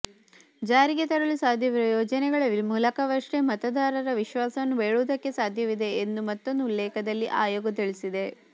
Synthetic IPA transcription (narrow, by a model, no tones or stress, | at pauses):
d͡ʒaːɾiɡet̪ɐɾɐlusaːd̪ʱjɐʋiɾɐjɔːd͡ʒɐnɛɡɐɭɐʋimuːlɐkɐʋɐʂɾemɐt̪ɐd̪ʱaːɾɐɾɐʋiʃʋaːsɐʋɐnːubeːɭuːd̪ɐkːe̞saːd̪ʱjɐʋid̪e̞ːnd̪umɐt̪ːond̪uulːɛːkɐd̪ɐlːiʔaːjoːɡɐt̪iɭisid̪e